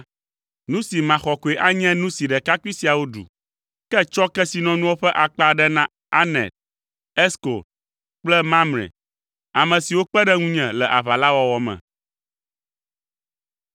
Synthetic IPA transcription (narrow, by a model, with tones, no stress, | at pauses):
nũ˦si˨mã˨xɔ˨ko˨e˨ʔa˦ɲɛ̃˦nũ˦si˨ɖɛ˨ka˦ki˦si˨a˨wo˦ɖṵ˨ | kɛ˦t͡ʃɔ˦kɛ˦si˨nɔ̃˨nũ˦wo˦ɸɛ˦ʔa˨k͡pa˦ɖɛ˦nã˦ | a˦nɛ̰˨t̪̚ | ɛ˦sko̰˨ | k͡plɛ˦mã˦mɾɛ̰̃˨ | a˨mɛ̃˨si˨wo˦k͡pɛ˦ɖɛ˦ŋũ˦ɲɛ̃˨lɛ˨ʔa˨βa˨la˦wɔ˨wɔ˨mɛ̰̃˨